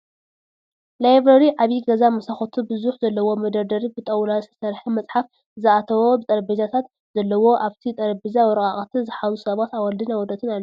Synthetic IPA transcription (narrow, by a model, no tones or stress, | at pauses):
lajbɾɐɾiʕaβiɡɐzamɐsaxot̪ʰubɨzuħzɐlːɐwo̞mɐd̪ɐɾd̪ɐɾibɨt̪ʼɐwlasɨsɐɾħɐmɐt͡sʼħaf | zɨat̪ʰɐwo̞bɨt̪ʼɐɾbizat̪ʰat̪ | z̥ɐlːɐwo̞ʔaβt̪ʰit̪ʼɐɾbizawɔɾɐkʼaχʼɐt̪ʰizɨħazusɐβat̪awɐld̪ɨnawɔd̪ɐt̪ʰɨnalː